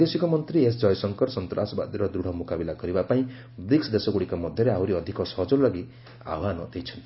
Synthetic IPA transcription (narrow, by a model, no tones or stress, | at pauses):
d̪esikɔmʌnt̪ɾiesd͡zʌjsʌŋkʌɾsɔnt̪ɾasba̰d̪iɾʌd̪ɾuɽ̤ɔmukabilaɡʌɾibapaĩ | bɾiksd̪esɔɡuɽikamʌd̪ʱjʌɾeɦawɾiʌd̪ʱikɔsɔɦʌd͡zɔlaɡi | a̰wanʌt̪ejt͡sʰʌnt̪i